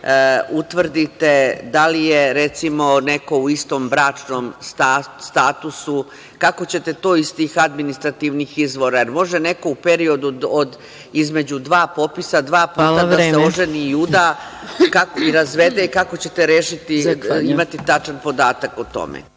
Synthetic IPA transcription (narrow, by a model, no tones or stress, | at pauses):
ut̪ʋr̩d̪it̪e̞d̪alije̞ɾe̞t̪simo̞ne̞ko̞uist̪o̞mbɾaːt͡ʂnomst̪ast̪aːt̪usu | kako̞t͡ɕe̞t̪e̞t̪o̞ːist̪iːxad̪minist̪ɾat̪iːʋnixizʋo̞ɾajeɾmo̞ʒene̞ko̞upe̞ɾio̞d̪uod̪ | izme̞d͡ʑud̪ʋaːpo̞pisad̪ʋaːpuːladaseoʒeniud̪akakoiɾazʋe̞d̪eikako̞t͡ɕe̞t̪e̞ɾeːʃit̪iimat̪it̪at͡ʃanpo̞d̪aːt̪akot̪o̞̰mḛ